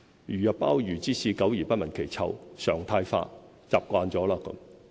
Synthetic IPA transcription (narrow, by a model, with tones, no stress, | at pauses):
jyː˨˩jɐ˨p̚pːaː˥wjyː˨˩t͡siː˥siː˨˧kɐ˨˥wjiː˨˩pɐ˥t̚mɐ˨˩nkʰe˨˩jt͡sʰɐ̰˨˧wsœː˨˩ŋt̪ʰaː˧jfa̰ː˧ | t͡saː˨p̚kʷaː˧nt͡sɔː˨˥laː˧˥kɐ̰˨˥m